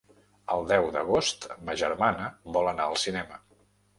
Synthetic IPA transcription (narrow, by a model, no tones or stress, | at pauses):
əlˠd̪ɛwd̪əɣost̪məʒə̰rmanəbɔlənaəlˠsinɛmə